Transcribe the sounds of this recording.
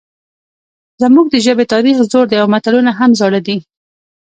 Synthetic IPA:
zəmuɡ̚d̪əʒəbet̪ɑɾixzoɾd̪əjawamat̪alunaɦamzɑɽad̪i

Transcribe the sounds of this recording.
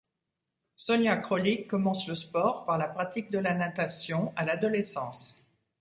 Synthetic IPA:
sɔnjakχɔlikːɔmɑ̃sləspɔʁpaʁlapχat̪ik̚d̪əlanat̪asjɔ̃alad̪ɔlɛsɑ̃s

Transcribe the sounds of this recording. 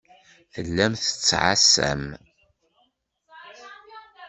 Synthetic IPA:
θəlːæmθə̥t͡sːʕa̰sːæ̰m

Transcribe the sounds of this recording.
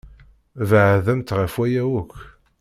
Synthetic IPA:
vəʕðæmt̪ʁəfwæjæwʊkː

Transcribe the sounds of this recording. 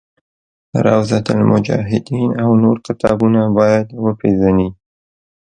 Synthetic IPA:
ɾawzat̪almʊd͡ʒɑ̰ɦɪd̪inawnoɾkɪt̪ɑbunabɑjad̪wəpʰeʒani

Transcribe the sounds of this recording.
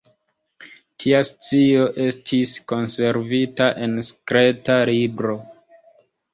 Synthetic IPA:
tʰiast͡sio̞ʔe̞stʰisko̞nse̞ɾvitaʔe̞nskɾe̞talibɾo̞

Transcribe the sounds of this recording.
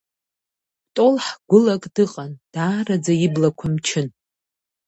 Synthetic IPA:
tʼolħɡʷʊlakʼdɨqʼand̥aːrad͡zaiblakʷʰamt͡ʃʰɪn

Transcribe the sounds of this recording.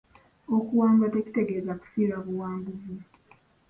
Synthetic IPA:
okuwaːmɡate̞ci̥te̞ɡe̞zaku̥fiːɾaβuwaːmbuzi

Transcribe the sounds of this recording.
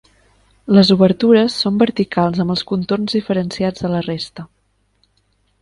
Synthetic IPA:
ləzuβəɾt̪uɾəsːombəɾt̪ikalˠzəmbəlˠskunt̪ornzðifəɾənsiad͡zðələrest̪ə

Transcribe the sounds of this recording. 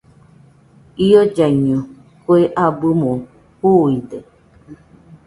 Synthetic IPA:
iod͡ʒaɲɨ̃ | koeʔabɨmõ | huide

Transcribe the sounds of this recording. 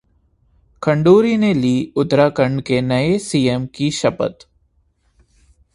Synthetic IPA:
kʰə̃ɳɖuːɾineliːʊt̪ɾakəɳɖkenɐesiːemkiʃɐpə̰t̪

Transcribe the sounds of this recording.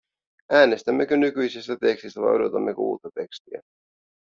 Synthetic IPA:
ʔæːne̞st̪æmːe̞k̟ønykyjsist̪æt̪e̞kst̪ist̪æʋɑ̰jʔo̞do̞t̪ɑmːe̞koṵːt̪ːɑt̪e̞kst̪iæ̰

